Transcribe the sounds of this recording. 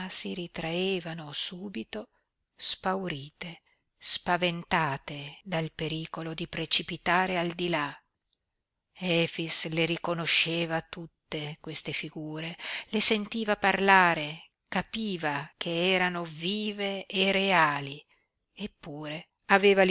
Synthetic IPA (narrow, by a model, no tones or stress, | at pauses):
siɾit̪ɾaeːvanosuːbit̪o | spawɾiːt̪e | spavent̪aːt̪ed̪alpeɾiːkolod̪ipɾet͡ʃipit̪aːɾeald̪ila | ɛfisleɾikonoʃːeːvat̪ut̪ːekwest̪efiɡuːɾelesent̪iːvaparlaːɾe | kapiːvakʰeɛːɾanoviːveːreaːli | epːuːɾe | aveːval